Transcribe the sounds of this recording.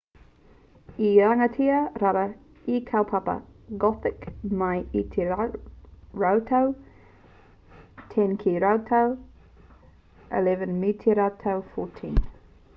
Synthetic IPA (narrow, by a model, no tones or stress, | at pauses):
iaŋətʰiɐɾaɾɐ | ikʰawpʰapɐ̰ɡɔθɪkmɐjitʰ | ɹawtʰaw | tʰɛnkʰiɾawtʰaw | ʔɪ̰lɛvənmitʰiɾatʰawfɔtʰḭ̃n